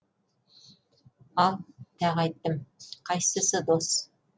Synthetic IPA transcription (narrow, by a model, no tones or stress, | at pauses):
ɑlˠt̪æʁɑjt̪ːəmqʰɑjsəsɤd̪os